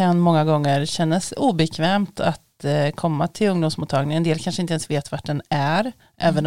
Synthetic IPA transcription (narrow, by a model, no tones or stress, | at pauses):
anmɔŋːaɡɔŋːəɾɕɛnːasuːbɛkʰvɛːmt̪ʰat̪kʰɔmːat̪ʰɪlɵŋd̪ʊmsmuːt̪ʰːɑːɡnɪŋɛnd̪eːlkʰanʂəɪnt̪əɛnsveːt̪vaʈ̚ɖɛnæɾ | ʔɛːvən